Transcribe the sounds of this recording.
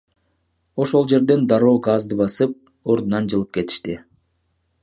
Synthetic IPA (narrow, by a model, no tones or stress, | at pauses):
o̞ʃo̞lˠd͡ʒe̞ɾd̪e̞nd̪ɑɾo̞ːɡɑzd̪ɯbɑsɯp̚ | o̞ɾd̪unɑnd͡ʒɯlˠɯp̚ke̞t̪i̥ʃt̪i